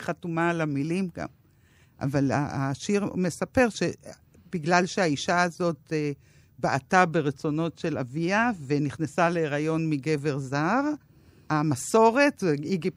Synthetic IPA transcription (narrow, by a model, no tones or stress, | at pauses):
χatumalamilimɡa̰m | ʔa̰vala̰a̰ʃiʁme̞sape̞ʁʃe | biɡlalʃeaiʃaːzo̞t̚e | baʔatabe̞ʁet͡so̞no̞tʃe̞la̰viave̞niχnesaleːʁajo̞nmiɡe̞ve̞ʁzaʁ | hamaso̞ʁe̞tveiɡi